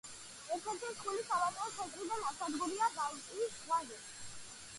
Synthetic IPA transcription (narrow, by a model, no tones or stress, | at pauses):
ɛɾt̪ʰɛɾt̪ʰisχulisavat̪ʼɔɔt̪sʰɛt̪ʼɾid̪anasad̪ɡuliaɡavt̪ʼiːsχwaʒɛ